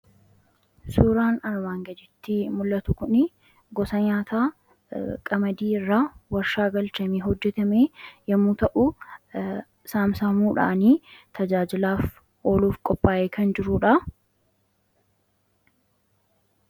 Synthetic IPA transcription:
suːɾaːnɐɾmaːŋɡɐd͡ʒɪt̪ːɪmʊlːɐt̪ʊkʊnɪ | ɡɔsɐɲaːt̪aː | kʼɐmɐd̪iːɪrːawɐɾʃaːɡɐlt͡ʃɐmiɦɔd͡ʒːɛt̪ɐmeːjɐmːuːt̪ɐʔʊ | saːmsamuːᶑɐ̰ʔɐniːt̪ʰɐd͡ʒaːd͡ʒɪlaːf | o̞ːluːfkʼɔpʼːaːʔeːkʰɐnd͡ʒɪɾuːᶑɐ

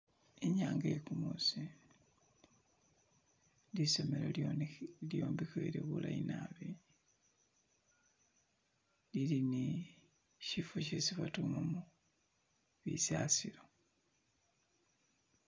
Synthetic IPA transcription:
eɲaːŋɡekumusi | disomelololjoːmbikeɾiβulainaβi | lilini | ʃifucesiβatumomu | βisasiɾo

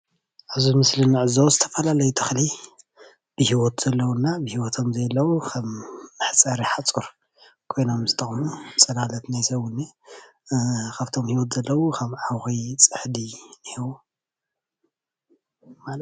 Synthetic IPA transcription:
ʔaβzumɨslɨnɨʕɨzɐwzɨt̪ʰɐ̥fɐlalɐjut̪ʰɨxli | b̥ɨhiwot̪z̥ɐlːɐwunːabɨhiwɔt̪ʰo̞mzɐlːɐwukʰɐmːɨħt͡sʼɐɾiħat͡sʼuɾ | kʰo̞jno̞mzɨt̪ʼɐχʼmut͡sʼɐnalɐt̪najsɐwunːi | kʰaβt̪ʰo̞mhiwɔt̪z̥ɐlːɐwukʰɐmʕawxijt͡sʼɨħd̪inɨhiwu | mal

